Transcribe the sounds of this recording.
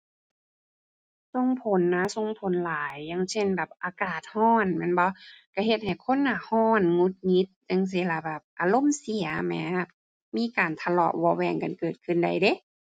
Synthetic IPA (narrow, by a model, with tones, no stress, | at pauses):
so˧˨ŋpʰo˨˦nːa˧˥so˧˨ŋpʰo˨˦nlaː˨˦jːa˧˥ŋse˧˨nbɛː˨˩p̚ʔaː˨˦kaː˨˩t̪̚hɔː˧˥˨nmɛ˧˥˨nbɔ˧˦ka˧˩he˧t̪̚ha˨˩jkʰo˧˥˨nːaː˧˩hɔː˧˥˩nŋu˧˥t̪̚ŋi˧˦˥t̪̚ɲa˧˥˨ŋs̬i˧˦la˧˩bɛː˨˩p̚ʔaː˨˩lo˧˥˨msi˨˩ɐmɛː˨˧˦ | miː˧˥˨kaː˨˩nt̪ʰa˧lɔ̰˧˩ʔwɔː˧wɛː˧˩ŋka˨nkɤː˨˩t̪̚kʰɯ˧˨nda˨˩jde˧˦